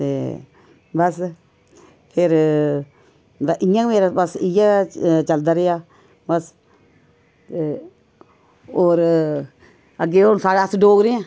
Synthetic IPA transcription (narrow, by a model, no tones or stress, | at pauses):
t̪eː | bəs | pʰɪɾ | ʔɪjãmeːɾabəsɪjãt͡ʃəld̪aːɾejaː | bəs | t̪e | oːɾ | əɡeːoːnsaːɽasɖoːɡɾeãː